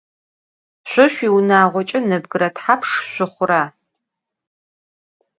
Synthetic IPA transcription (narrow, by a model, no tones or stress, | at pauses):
ɕʷʊʃʷiwnaːʁʷɔt͡ʃʼɪnɨbɡɨɾɐtħapʰʂɕʷʊχʷʊɾaː